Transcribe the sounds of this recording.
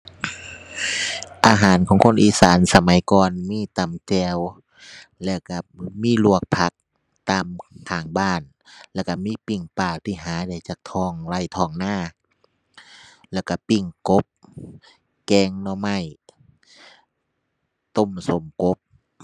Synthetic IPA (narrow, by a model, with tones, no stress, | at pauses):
ʔaː˧ɦaː˨˦nkʰɔː˨˦ŋkʰo˧˥˨nʔiː˧˨saː˨˦nsa˧ma˨˦jkɔː˧nmiː˧˥˨t̪a˨˩mt͡ɕɛː˧w | lɛː˧˩wka˧˩miː˧˥˨lu˧˩ək̚pʰa˧˦k̚ | t̪aː˧˨mkʰaː˨˩ŋbaː˧˩˨n | lɛː˧˩wka˧˩miː˧˥˨pi˧˩ŋpaː˧˩wt̪ʰiː˧˩ɦaː˨˦da˧˩jt͡ɕaː˨˦˩k̚t̪ʰɔː˧˩ŋla˧˩˨jt̪ʰɔː˧˩ŋnaː˧˥˩ | lɛː˧˩˨wka˧˩pi˧˩ŋko˧˦p̚ | kɛː˧˩ŋnɔː˧ma˧˩˨j | t̪o˧˨mso˨˦mko˧˦˥p̚